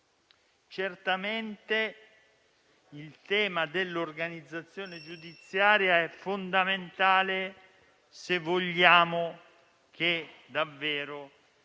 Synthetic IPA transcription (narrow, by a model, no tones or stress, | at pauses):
t͡ʃert̪ament̪e | ilt̪ɛːmad̪elːorɡanid̪zːat̪sːjoːned͡ʒud̪it̪sːjaːɾjaɛfːond̪ament̪aːle | sevːoʎːaːmo | k̟ed̪avːɛːɾo